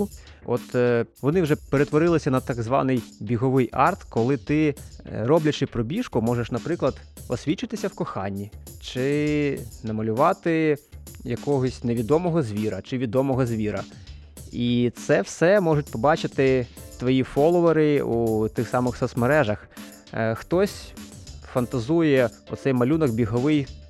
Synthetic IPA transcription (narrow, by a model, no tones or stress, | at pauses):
ɔ̰t̪ʋɔnɪwʒɛpeɾet̪ʋɔɾɪlˠɪsʲɐnɐt̪ɑɡzʋɑ̰nɪjbʲiɦɔʋɪjɑ̰rt̪kɔlˠɪt̪ɪɾɔblʲɐt͡ʃɪpɾɔbʲiʃkʊmɔʒeʃnɐpɾɪklˠɐd̪ | ɔsʲʋʲit͡ʃɪt̪ɪsʲɐwkɔxɑnʲːit͡ʃɪ | nɐmɐlʲʊʋɑt̪ɪ | jɐkɔɦɔsʲneʋʲid̪ɔmɔɦɔzʲʋʲiɾɐt͡ʃɪʋʲid̪ɔmɔɦɔzʲʋʲiɾɐ | it̪sɛwsɛmɔʐʊtʲpɔbɑt͡ʃɪt̪ɪt̪ʋɔjifɔlˠɔʋɔɾɪut̪ɪxsɑmɪxsɔt̪smeɾɛʒɐx | xt̪ɔsʲfɐnt̪ɐzujɛ | ʊ̰t̪sɛjmɐlʲunɔɡbʲiɦɔʋɪj